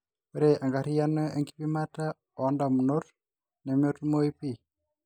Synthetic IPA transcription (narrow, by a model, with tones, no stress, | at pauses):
peɾe˨ʔa˨ŋɡa˨ɾi˦janɔe˨ŋɡipimata˦ | ɔ˨nda˨mu˨noɾ | nɛ˨mjotumo˦ipi˦